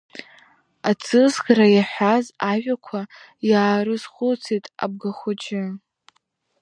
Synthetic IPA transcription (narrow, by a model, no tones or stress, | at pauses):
at͡sʰɨzɡʲɾajaħʷᶣazaʒʷᶣakʷʰa | jaːɾɨzχʷʊt͡sʰejtʼa̰b̚ɡaχʷʊd͡ʒɪ